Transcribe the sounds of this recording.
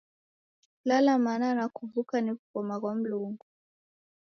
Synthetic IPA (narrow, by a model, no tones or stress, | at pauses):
lalamananakuvukanikukɔmakwam̩luŋɡu